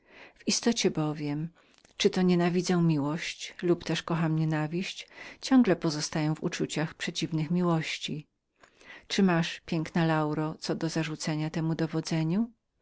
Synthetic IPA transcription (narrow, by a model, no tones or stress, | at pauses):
v̥ist̪ɔt͡ɕɛbɔvʲjɛm | t͡ʂɘt̪ɔɲɛnavʲid̪zɛw̃mʲiwɔɕt͡ɕlupt̪ɛʂkɔxamɲɛnavʲiɕt͡ɕt͡ɕɔŋɡlɛpɔzɔst̪ajɔ̃w̃vṵt͡ʂut͡ɕaxpʂɛt͡ɕivnɘxmʲiwɔɕt͡ɕi | t͡ʂɘmaʂpʲjɛŋknɛlawɾɔt̪sɔd̪ɔzaʐut̪sɛɲat̪ɛmud̪ɔvɔd̪zɛɲu